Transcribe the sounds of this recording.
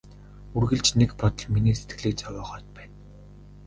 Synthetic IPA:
urɣɘ̆ɮt͡ɕnekpɔt̪ɞ̆ɮminiːse̥t̪ɡɘ̆ɮiːk̚t͡sɔwʲɔːχɔːt̪̚pæːn

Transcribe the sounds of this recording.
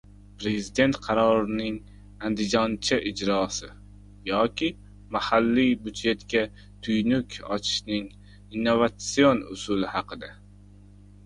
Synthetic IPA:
pɾe̞zɪd̪e̞nt̪qʰɑɾɒɾɪnɪŋ | and̪ɪd͡ʒɒnt͡ʃʰaʔɪd͡ʒɾɒsɪ | jɒkʲɪ | mahalːibʊd̪d͡ʒe̞t̪kʲa | t̪ʰʊjnʊkʲʰɒ̰t͡ʃʰɪ̥ʃnɪŋ | inːovat̪sio̞nʊ̰sʊlɪhɑqʰɨd̪a

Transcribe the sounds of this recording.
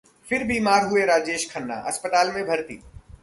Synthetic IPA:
fɪɾbʱiːmaːɾɦʊeɾaːd͡ʒeːʃkʰɐnːa̰ʔɐ̰spət̪aːlmẽbʱɐɾt̪ḭː

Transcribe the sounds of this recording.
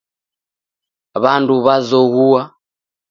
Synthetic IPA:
βanduβazɔɣua

